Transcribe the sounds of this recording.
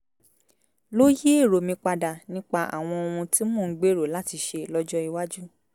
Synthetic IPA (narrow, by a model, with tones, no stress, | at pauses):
lo˦je˦e˦˨ɾo˨mĩ˧k͡pa˧da˨nĩ˦k͡pa˧ʔa̰˨w̃ɔ̃˧o˧ũ˧ti˦mɔ̃˦˨ŋ̩˦ɡ͡be˦ɾo˨la˦ti˧ʃe˧lɔ˦d͡ʒɔ˦i˧wa˦d͡ʒu˦